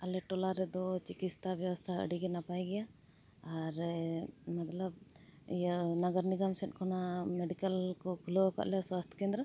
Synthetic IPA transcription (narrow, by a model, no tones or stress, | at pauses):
ɐlɛʈɔlaɾɛd̪ɔt͡ʃikit̪st̪ʰabjɐʋɐst̪ʰaə̰ɖiɡɛnapajɡɛjaː | ɾ | mɐt̪lɐb̚ | nɐɡəɾniɡamsɛnkʰɔnameɖikəlkɔkʰulɔka̰ʔlɛswast̪ʰə̥keːnd̪ɾɐ